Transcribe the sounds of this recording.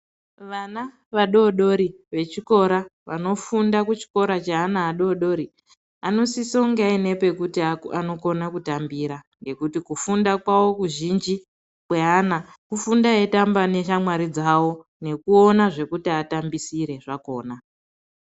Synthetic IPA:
ʋana | ʋaɗo̞ɗo̞ɾiʋe̞t͡ʃiko̞ɾaʋano̞fundakut͡ʃi̥ko̞ɾat͡ʃaanaːɗo̞ɗo̞ɾi | ano̞sisoŋɡeaine̞pe̞kutiaano̞ko̞nakutambiɾaŋɡe̞kutikufundakwawo̞kuʒind͡ʒi | kwe̞anakufundae̞tambane̞ʃamwaɾid͡zawo̞ | ne̞kuo̞naʐe̞kutiatambisiɾe̞ʐako̞ːna

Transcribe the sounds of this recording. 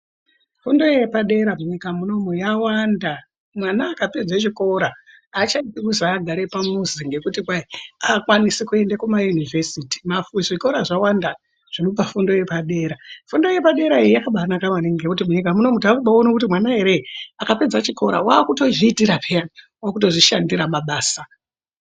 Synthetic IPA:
fundo̞je̞paɗe̞ɾamuɲikamuno̞mujawanda | mwanaːkape̞d͡zat͡ʃiko̞ɾaː | t͡ʃaitikuzaːɡʱaɾepamuziŋɡe̞kutikwaiakwanisikue̞ndakumajunive̞siti̥mafʐiko̞ɾaʐawanda | ʐ̥inopafundo̞je̞paɗe̞ːɾafundo̞je̞paɗe̞ɾaiijakaɓanakamaneŋɡekut̬imuɲikamuno̞mutakuɓaonokut̬imwanaɦe̞ɾe̞akape̞d͡zat͡ʃiko̞ɾa̰waːkuto̞ʐiːtiɾapejani | wakuto̞ʐiʃandiɾamaɓaːsa

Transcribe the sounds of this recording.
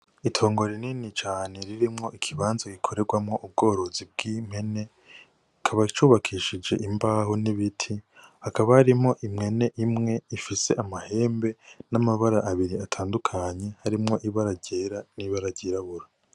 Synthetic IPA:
itʰo̞ːŋɡo̞ɾininit͡ʃaːne̞ɾiɾimŋo̞ʔikʰiβaːnzaɡikʰo̞ɾe̞ɡwamŋo̞ʔub̚ɡo̞ːɾo̞zib̚ɡim̥e̞ne̞ | ikʰaβat͡ʃuːβakʰiːʃid͡ʒe̞̰ʔimbaːhoniβitʰihakaβahaɾimo̞ʔimŋe̞ne̞ʔimŋe̞ifise̞ʔamahe̞ːmbe̞namaβaɾaʔːβiɾiatʰaːndukʰaɲe̞haɾimŋo̞ʔiβaɾaɟeːɾaniβaɾaɟiːɾaβuɾa

